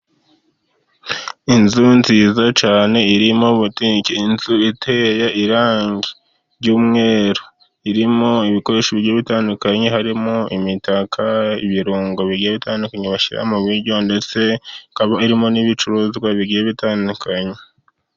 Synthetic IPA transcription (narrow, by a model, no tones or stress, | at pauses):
inzunziːzat͡ʃaːne̞iɾimoβutikiinzuitʰejaʔiɾaːŋɡi | ɾɟuːmŋe̞ːɾo | iɾimoiβiko̞ɾe̞ʃoβiɟieβitaːndukaɲeɦaɾimoḭmitakʰaḭβiɾuːŋɡo̞βiɡijeβitaːndukaɲeβaʃiɾa̰muβiɾɟo̞nde̞t͡se̞kaβaiɾimo̞niβit͡ʃuɾuzɡwaβiɡijeβitaːndukʰaɲe